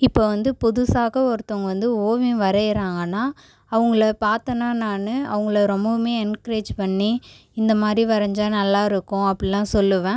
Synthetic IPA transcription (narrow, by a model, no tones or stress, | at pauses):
ɪpːoːʋɐnd̪ɯpʊðʊsaːɣɐɔɾɯt̪ːɐŋɡɐʋɐnd̪ɯoːʋĩʋɐɾɐjɪɾaːŋɡɐnːaː | ɐʋɐŋɡɐɭɐpaːɾt̪ɐnːaːnaːnɯɐ̰ʋɐŋɡɐɭɐɾɔmbɐmeːɛnkɾeːd͡ʒpɐɳːi | ɪnd̪ɐmaːd̪ɾiʋɐɾɐɲd͡ʒaːnɐlːaːɪɾɯkːʊ̃ɐpːɐɽilãːsɔlːɯʋẽː